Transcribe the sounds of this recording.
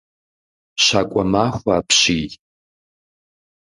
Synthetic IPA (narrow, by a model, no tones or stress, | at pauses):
ʃakʷʼamaχʷaːpʰʃijtʼ